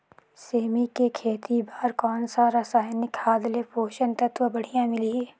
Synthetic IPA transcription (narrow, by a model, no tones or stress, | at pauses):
seːmikekʰeːt̪ibaːɾkɔːnsaːɾasaːnɪkaːd̪lepoːʃənt̪ɐt̪wʋəbɐɽ̤ijãmɪli